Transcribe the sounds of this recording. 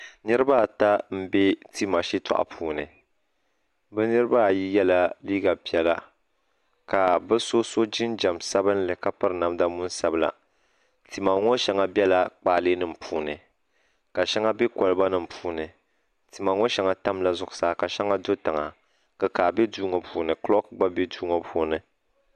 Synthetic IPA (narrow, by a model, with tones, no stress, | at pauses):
nɨ˦ɾɨ˦ba˦˨ta˦m̩˦be˦ti˦ma˨ʃi˦tʰa̰˨ʔa̰˨pʰuː˦nɨ˨ | bɨ˦nɨ˦ɾɨ˦ba˦˨ji˦jɛ˦la˦liː˦ɡa˨pi˦ɛ˦la˦ | ka˨bɨ˦so˦so˦d͡ʒɪ˦nd͡ʒa˨msa˦bɨ˦nlɨ˨ka˦pɨ˦ɾɨ˨na˨m˦da˦mu˦n˦sa˦bɨ˦la̰˨ | ti˨ma˨ŋɔ˦ʃɛ˨ŋa˨bɛ˦la˦k͡paː˦˨lɨː˦nɨ˦m̩˨pʰuː˨nɨ˨ | ka˨ʃɛ˦ŋa˦be˦kɔ˨lɨ˦ba˦nɨ˦m̩˨pʰuː˦nɨ˨ | ti˨ma˨ŋɔ˦ʃɛ˨ŋa˦ta˦mla˨zʊ˨ɡʊ˨saː˨˦˨ka˨ʃɛ˦ŋa˦do˦ta˨ŋa˨ | kɨ˨kaː˨be˦duː˦ŋo˨puː˨˦nɨ˨klɔ˦kɨ˦ɡ͡ba˦be˦duː˦ŋo˨pʰuː˨˦nɨ˨